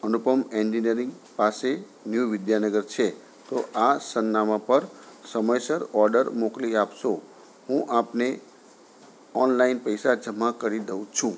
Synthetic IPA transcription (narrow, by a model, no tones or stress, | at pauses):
ənupəmẽnd͡ʒiniəɾĩŋɡ | pase | njuʋɪd̪janəɡəɾt͡ʃʰe | t̪oʔasənːamãpəɾsəməjsəɾɔɾɖəɾmokliapʃo | ɦũʔapne | ɔnlainpəjsad͡ʒəmakəɾid̪əʋũt͡ʃʰũ